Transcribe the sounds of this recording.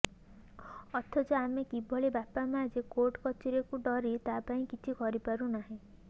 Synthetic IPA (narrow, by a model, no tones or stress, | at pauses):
ɔt̪ʰɔd͡ʒɔamekibʱɔɭebapamãd͡ʒekoʈkɔt͡ʃiɾekuɖɔɾit̪apaĩkit͡ʃʰikɔɾipaɾunaɦĩ